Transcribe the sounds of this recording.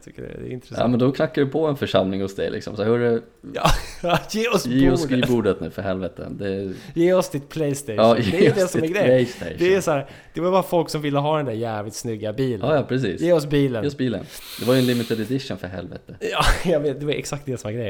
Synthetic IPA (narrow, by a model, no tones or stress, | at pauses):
t̪ʰʏkːədɛ̰d̪ɛ̰ɪ̰nt̪ɾɛsɑ̰ːmɛnd̪ɔkʰnakːaɖɛpʰɔɛnfœʂamlɪŋhʊsd̪ɛ̰jlɪ̰ksɔ̰msɔhœɖɛ | ɑːjeːɔsjeːɔsːɖɡibuːɖət̪nʉ̟ːfœɾɦɛlvɛt̪ə̰d̪ɛjeːɔsd̪ɪt̪̚pʰlɛjst̪eɑjeɛːɔd̪ɛsɔmæɾɡɾɛjlɛjst̪ʰḛd̪ɛæsæːɾ | d̪̥ɛvaɾbɑːɾafɔlksɔmvɪlːəɦɑːd̪ɛnd̪æɾjæːvlɪt̪snʏɡːabiːlɑːjɑpʰɾɛs̬iːsjeːɔs̬biːləneːɔsbiːlə̰n | d̪̥ɛvaɾjʏɛnlɪmːɪt̪ɪd̪ɛd̪ɪʂːənfœɾɦɛ̰lvɛ̰t̪əjɑːjɑveːt̪̚d̪ɛvaɛksakt̪d̪ɛːsɔmæɡɾɛjːəɾ